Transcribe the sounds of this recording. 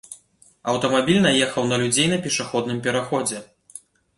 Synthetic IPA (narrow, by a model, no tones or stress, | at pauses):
ɐwt̪ɐmabʲilʲnɐjɛxɐwnɐlʲud͡zʲejnɐpʲɛʂaxɔd̪̚nɨmpʲɛɾaxɔd͡zʲɛ